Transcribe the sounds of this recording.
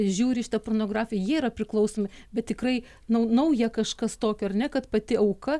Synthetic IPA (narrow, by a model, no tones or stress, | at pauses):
ʒʲuːɾʲɪʃʲɪt̪ɐpronoːɡrɑːfʲɪjɛjiɛirɐpʲɾʲɪklˠɐʊsoːmʲɪbʲɛt̪̚tʲɪkrɐɪ | nɐʊnɐʊjɛkɐʃkɐst̪oːkʲoɐrnʲɛkɐt̪pɐt̪ʲɪɐʊkɐ